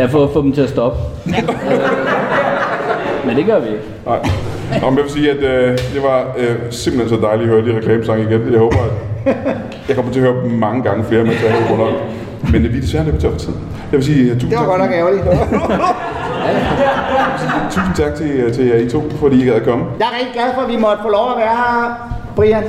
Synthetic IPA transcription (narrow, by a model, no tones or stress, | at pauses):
jɑfɔfɔ̰̽d̥m̩t͡sʰe̝ɐsd̥ɒ̽b̥ə | mend̥e̝ɡ̥ɶɐʋieɡ̥ | nɑ̈ɪ̰ | ɑm̩jɑʋe̝siːæd̥ød̥eʋɑ̈semb̥l̩hensɒ̽d̥ɑ̈ɪliɐhøːɐd̥iʁɛkʰlɛːməsɑ̈ŋ̰əiɡ̥enjɑhoːb̥ɐæd̥ | jɑɪkɒ̽mɐt͡sʰe̝ɐhøːɐmɑ̈ŋəɡ̥ɑ̈ŋəfle̝ːɐmen̰t͡sʰe̝ɐhɛːʊɡ̥ɔn̰ɒm | menʋid̥esʋæɐle̝̥m̥ʰt͡sʰɒɐft͡sʰið̰̩ˠ | jɑɪʋe̝siːt͡sʰṵːseɡɒd̥æɡ̥ɛʊli | it͡sʰṵːsn̩t͡sʰɑ̈ɡ̥̚t͡sʰe̝t͡sʰe̝æit͡sʰo̝̰ːfɒd̥ḭːjeɡæðˠɐkʰɒ̽məjɑ̈ɪʁɛɡ̥d̥iɡ̥læðˠfɒʋimɒ̽d̥əfɔlɒʊæʋæːɐ | b̥ʁiæn